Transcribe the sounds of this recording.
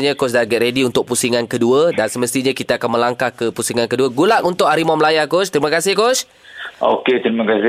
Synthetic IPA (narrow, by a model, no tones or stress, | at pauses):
ɲãkosdaɡɛʔ̪ɾediunt̪ʊk̚pusiŋankəduədansəməst̪iɲakit̪aːkanmə̃laŋkahkəpusiŋankəduəɡulaʔunt̪ʊʔaɾimaməlajakost̪əɾimə̃kasɪhkos | o̰ket̪ɾimãkasɪ